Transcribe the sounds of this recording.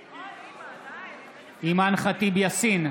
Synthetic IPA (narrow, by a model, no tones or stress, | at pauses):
imanχat̪ibjasin